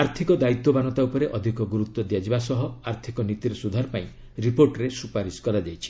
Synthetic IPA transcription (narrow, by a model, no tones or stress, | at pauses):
aɾt̪ʰikɔd̪ait̪ːɔbanɔt̪aupɔɾeʔɔd̪ʱikɔɡuɾut̪wɔd̪jad͡ʒibasɔɦɔaɾt̪ʰikɔnit̪iɾesud̪ʱaɾɔpaĩ | ɾipoɾʈɔɾesupaɾiskɔɾad͡ʒajt͡ʃʰi̥